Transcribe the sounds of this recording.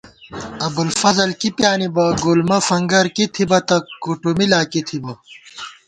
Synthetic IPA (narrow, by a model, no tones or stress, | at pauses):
ɐbulfɐzɐlkipjaːnibɐɡulmɐfɐŋɡɐɾkit̪ʰibɐt̪ɐkuʈumilaːkit̪ʰibɐ